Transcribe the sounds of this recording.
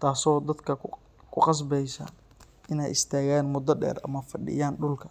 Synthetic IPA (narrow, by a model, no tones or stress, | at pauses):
t̪ʰaːsɔːd̪ɐd̪kʰɐ | kʰʊqɑs̬bɛjsɐ̰ | ɪnɛ̰jɪ̰st̪ʰaːɣaːnmʊd̪ɐɖɛ̰ːrɐ̰mɐfɐɖɪ̰jaːnɖʊlkʰɐ